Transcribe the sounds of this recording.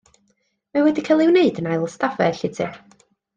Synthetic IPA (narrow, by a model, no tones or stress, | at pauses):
mawɛdikʰalˠɪwneɨdənajlˠstavɛ̰ɬɪtʰɨ̰